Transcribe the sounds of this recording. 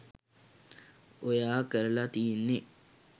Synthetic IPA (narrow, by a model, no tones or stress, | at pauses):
ojaːkəɾəlat̪iːnːe